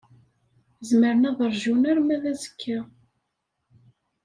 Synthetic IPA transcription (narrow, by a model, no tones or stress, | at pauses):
zməɾənæðˤəɾˤʒunæɾmæðæzəkʰːæ